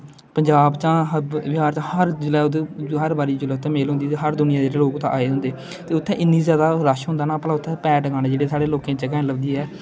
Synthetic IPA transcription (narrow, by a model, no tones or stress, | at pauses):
pəɲd͡ʒaːbt͡ʃãːbɪaːɾt͡ʃãhəɾd͡ʒɪlɛːd̪ɦəɾbaːɾiːd͡ʒʊlɛːt̪ʰãːmeːlɦʊ̃nd̪iːt̪eɦəɾd̪ʊnɪjãːd͡ʒeːɾeloːkt̪ãʔa̰ːeːɦʊ̃nd̪eː | t̪eːʊt̪ʰːɛ̃ːʔɪnːiːzjaːd̪aːɾaʃɦʊ̃nd̪aːnaːplaːʊt̪ʰːɛ̃ːpɛːʈɡãːɽeːd͡ʒeːɽeːsaːɽeːloːkẽːt͡ʃkɛ̃ːləbd̪iːɦɛː